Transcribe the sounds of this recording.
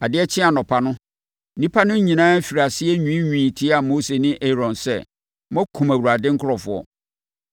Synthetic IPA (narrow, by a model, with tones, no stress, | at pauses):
a˨dɪ˦ɛ˦t͡ɕʰɪ̃˦a˨nɔ̃˨pʰa˨nʊ̃˦ | nĩ˦pʰa˦nʊ̃˦ɲĩ˨nãː˦fi˨ɾa˨sɪ˦ɛ˦ɲũ˦ɲᶣũ˨ĩ˨tʰi˦a˨mo˦se˨nɪ̃˦ʔe˦ɾɔ̃˨nsɛ̰˦ | mɔ̃˦kʰũ˨mæ˨wu˨ɾa˨dɪ˦ŋ̩˦kʰʊ˦ɾɔ˨fʊ˨ɔ̰˨